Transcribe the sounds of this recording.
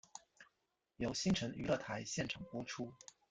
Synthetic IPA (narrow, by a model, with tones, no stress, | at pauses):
jo˧˥ʊɕi˥ŋʈ͡ʂʰə˧˥ŋy̰˧˥lɤ˥˩t̪ʰa˧˥ɪɕjɛ˥˩nʈ͡ʂʰɑ˨˩ŋpwɔ˥ʈ͡ʂʰu˥